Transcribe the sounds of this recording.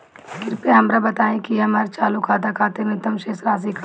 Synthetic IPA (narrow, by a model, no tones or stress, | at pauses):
ɡɪɾpeɦɐmɾabɐt̪aːẽkiɐmɐɾt͡ʃaːlukʰaːd̪akʰaːt̪enet̪ɐmʃeːsɾaːs̬ikʰ